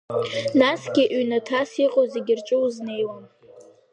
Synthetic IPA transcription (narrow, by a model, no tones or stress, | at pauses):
nasɡʲɪʔɥnatʰasiqʼoze̞ɡʲɪrt͡ʃʼɨwzne̞jwam